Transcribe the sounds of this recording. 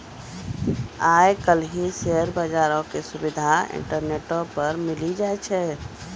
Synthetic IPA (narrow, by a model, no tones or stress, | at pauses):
ajkəlɦiseəɾbad͡ʒaɾɔkesubid̪ʱaḭɳʈəɾneʈopəɾmilid͡ʒat͡ʃʰɛ